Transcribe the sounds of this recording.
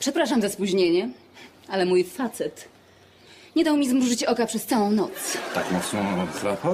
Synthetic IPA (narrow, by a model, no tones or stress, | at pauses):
pʂɛpɾaʂamzaspuʑɲeɲɛ | alɛmujfat̪sɛt̪ | ɲɛd̪awmʲizmɾuʐɘt͡ɕɔkapʂɛst̪sawɔ̃w̃nɔt̪st̪a̰kmɔt̪snɔzɾaxɔ